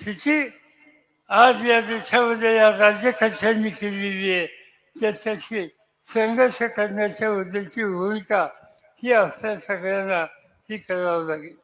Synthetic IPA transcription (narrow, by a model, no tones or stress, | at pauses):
tit̪ʰi | ad͡zjad̪et͡ɕʰaməd̪ʱːejaɾad͡ʑjəkəɾʃʰenikelːilie | t̪jat͡ɕʰaɕi | səŋɡəɕəkəɾnjat͡ɕaʋəd̪ʱːet͡ɕiɦunka | hiːasasəɡɭjanːa | hiːkəɾaʋlaɡil